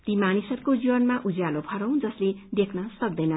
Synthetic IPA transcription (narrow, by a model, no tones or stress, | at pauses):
t̪imanisʌrkod͡ziwʌnmaʔud͡zjalobʱʌɾʌ̃w̃d͡zʌsled̪ekʰnʌsʌk̚d̪ʌjnʌ